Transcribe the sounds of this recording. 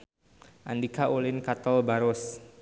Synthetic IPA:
ʔandikaʔulɪnkat̪ɔlbaɾʊs

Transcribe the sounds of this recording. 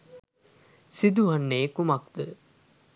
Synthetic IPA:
sid̪uɦanːeːkumak̚d̪ə

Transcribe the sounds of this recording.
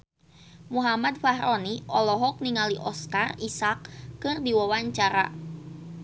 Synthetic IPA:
muɦamad̪̚fahɾɔniʔɔlɔɦɔk̚niŋaliʔɔskarisak̚ːɨrdiwawaɲt͡ʃaɾa̰

